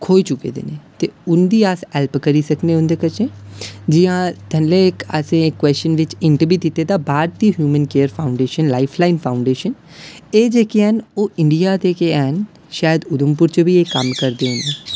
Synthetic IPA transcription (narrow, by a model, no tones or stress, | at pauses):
kʰoːit͡ʃʊkḛːd̪ḛːneːt̪eːʊnd̪iːasɛːlpkəɾiːsəkneːʊ̃nd̪eːkət͡ʃeːd͡ʒɪãːt̪ənleːɪkə̰sẽːɪkːwɛːst͡ʃənʋɪt͡ʃɪɳʈəɾbiːd̪ɪt̪eːd̪aːbaːɾ̚t̪iːɦjuːmənkeːəɾpʰaːʊ̃ɳɖeːʃənlaːipʰlaːɪnpʰaːʊ̃ɳɖeːʃən | eːd͡ʒeːkeɛːnoːɪɳɖijaːd̪eːkeɛːn | ʃaːjəd̪ʊd̪ʊmpʊɾt͡ʃəbiːeːkːəmkəɾd̪eːɦʊ̃nd̪eː